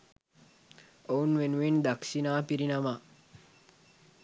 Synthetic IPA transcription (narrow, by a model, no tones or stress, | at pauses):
ownʋenʋind̪aksinaːpiɾinama